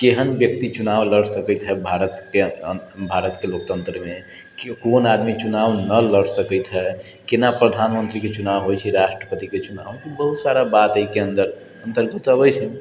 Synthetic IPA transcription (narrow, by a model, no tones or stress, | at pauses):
keɦənbjəkt̪it͡ʃunaʋləɽsəkət̪ɦɛbʱaɾət̪kebʱaɾət̪kelok̚t̪ənt̪ɾəmẽ | konad̪mit͡ʃunaʋnələɽsəkəjt̪ɦɛ | kenapɾəd̪ʱanmənt̪ɾiket͡ʃunaʋɦojt͡ʃʰɛɾaʃʈɾəpət̪iket͡ʃunaʋk̪ibəɦut̪saɾabat̪əɦikeənd̪əɾ | ənt̪əɾɡət̪əbəjt͡ʃʰən